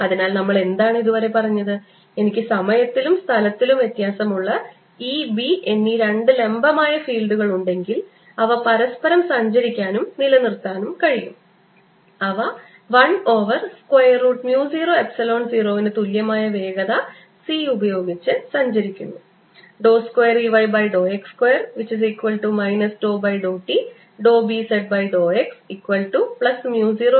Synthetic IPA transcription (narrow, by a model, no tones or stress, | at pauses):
ɐðinaːlnɐmːɐɭe̞nd̪aːɳɨiðuʋɐɾe̞pɐrɐɲːɐðɨ | e̞nikʲːɨsɐmɐjɐt̪ːilumst̪ʰɐlɐt̪ːilumje̞t̪jaːsɐmuɭːɐ | iːbiʔe̞nːiɾe̞ɳɖɨle̞mbɐmaːjɐfiːlɖuɣɐɭuɳɖe̞ŋɡil | ɐʋɐpɐɾɐspɐɾɐmsɐɲd͡ʑɐɾikʲːaːnumnilɐnirt̪ːaːnumkɐɻijṵm | ɐʋɐ | ʋɐɳo̞ːʋɐrskwojɐrːuːʈmjuːsiːro̞ːe̞psɐlo̞ːɳsiːro̞ːʋinɨt̪uljɐmaːjɐʋe̞ːɡɐðɐ | siːubɐjo̞ːɡit͡ɕːɨsɐɲd͡ʑɐɾikʲːunːu | ɖo̞ːskwejɐriʋɐjbɐjɖo̞ːekskwejɐrʋit͡ɕːis̬iːkwɐlʈumɐjnɐsɖo̞ːbɐjɖoːʈːi | ɖo̞ːbiseɖ̚bɐjɖo̞ːeksikːwɐlʈupɭɐsmjuːsiːroː